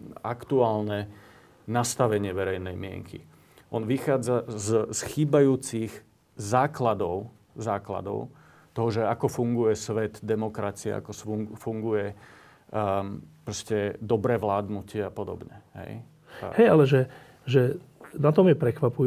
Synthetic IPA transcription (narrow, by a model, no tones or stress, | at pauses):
akt̪uaːlnɛ | nast̪aʋɛɲɪɛʋɛɾɛjnɛjmɪɛ̰ŋkʰḭ | ʔɔnʋixaːd͡zazsxiːbajuːt͡siɣ | zaːklad̪ɔʊ | zaːkla̰d̪ɔ̰ʊ | t̪ɔɦɔʒɛakɔfuŋɡujɛsʋɛt̪d̪ɛmɔkɾat͡sia̰a̰kɔsufuŋɡujɛ | pɾɔscɛd̪ɔbɾɛʋlaːd̪nucɪɛapɔd̪ɔ̰bɲɛ̰ɦɛ̰j | a̰hɛjalɛʒɛ | ʒɛ | nat̪ɔmjɛpɾɛkʋapu